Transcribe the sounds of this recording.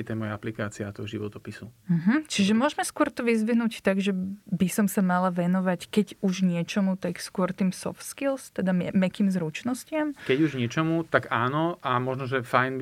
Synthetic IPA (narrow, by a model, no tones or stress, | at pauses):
ɛt̪ɛmɔjaaplikaːt͡siaat̪ɔɦɔʒiʋɔt̪ɔpisum̩ɦm̩t͡ʃiʒɛmʊɔʒmɛskʊɔɾt̪ɔʋizʋiɦnuːct̪aɡʒɛbisɔmsamalaʋɛnɔʋackɛɟuʒɲɪɛt͡ʃɔmut̪akskʊɔɾt̪iːmsɔ̰ft̪skilst̪ɛd̪amɛmɛkiːmzɾut͡ʃnɔscɪamkɛɟuʒɲɪɛt͡ʃɔmut̪aɡaːnɔʔamɔʒnɔʒɛfajnb